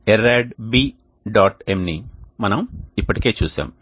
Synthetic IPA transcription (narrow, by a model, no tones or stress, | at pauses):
eɾeːɖbiː | ɖaːʈemnimɐnɐmipːɐʈike̞ːt͡ʃuːsa̰ːm